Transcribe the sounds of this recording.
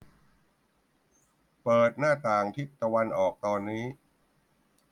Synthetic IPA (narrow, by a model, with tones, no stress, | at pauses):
pɤː˨˩t̪̚naː˥˩t̪aː˨˩ŋt̪ʰi˦˥t̪̚ːa˧wa˧nʔɔː˨˩k̚t̪ɔː˧nːiː˦˥